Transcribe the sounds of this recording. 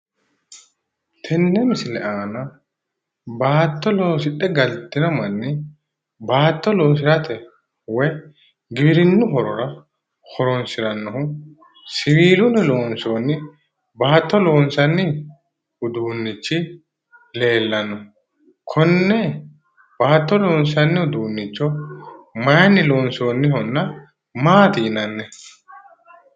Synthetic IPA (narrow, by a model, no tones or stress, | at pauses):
t̪ʰɛnːɛmɪsɪlɛʔaːnɐ | baːt̪ːɔloːsɪɗːɛɡɐlt̪ːɪnɐmɐnːɪ | baːt̪ːɔloːs̬ɪɾɐt̪ʰɛ | wɛj | ɡɪbɪɾɪnːʊɦɔɾɔɾɐ | hɔɾɔnsɪɾɐnːɔhʊ | sɪwiːlʊnɛlo̞ːnso̞ːnɪ | baːt̪ːɔlo̞ːnsɐnːɪ | ʊd̪uːnːɪt͡ʃːɪ | le̞ːlːɐnːɔ | kʰɔnːɛ | baːt̪ːɔlo̞ːnsɐnːɪʊd̪uːnːɪt͡ʃːɔ | mɐjɐnːɪloːnso̞ːnːɪɦɔnːɐ | maːt̪iːnɐnːɛ